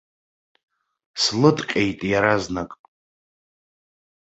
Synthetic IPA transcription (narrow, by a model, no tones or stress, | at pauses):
slɨtʼqʲʼejtʼjaɾaznakʼ